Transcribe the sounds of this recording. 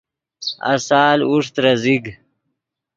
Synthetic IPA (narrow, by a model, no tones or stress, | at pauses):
a̰saːluʂt̪ɾɐziɡ